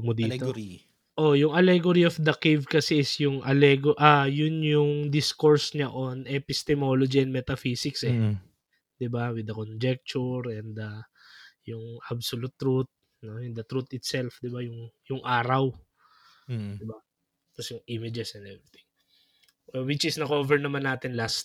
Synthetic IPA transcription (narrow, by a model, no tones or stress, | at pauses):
ɡmʊd̪iːi | ʔo̞jʊŋɐlɛɡoɾiofd̪ɐkejvkɐsɛɪsjʊŋʔɐlɛɡoʔajʊnjʊŋd̪ɪskoɹsɲɐʔonʔɛpɪst̪ɛmolod͡ʒiɛ̃nmɛt̪ɐfisɪksɛ | d̪̥ɪbawɪd̪ɐkond͡ʒɛk̚t͡ʃʊɹɛnd̪ɐ | jʊŋʔabsolut̪ːɾut̪̚ | nojʊnd̪ɐt̪ɾut̪ɪt̪sɛlfd̪ɪbajʊŋjʊŋʔaːɾɐw | d̪ɪba | t̪ɐsjʊŋʔimɪd͡ʒɛsɛnd̪ɛvɾɪt̪ɪ̃ŋ | ʔwɪt͡ʃɪsnɐkovɛɹnɐmanːaːt̪ɪnlast̪̚